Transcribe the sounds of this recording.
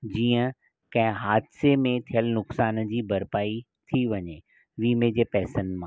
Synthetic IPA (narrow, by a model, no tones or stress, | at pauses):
d͡ʑiːə̃ | kɐ̃ɦɪ̃ɦaːd̪semẽt̪ʰijəlnʊksaːnd͡ʑiːbɐɾpaːi | t̪ʰiʋɐɲe | ʋiːmed͡ʑeːpɛɦsənmã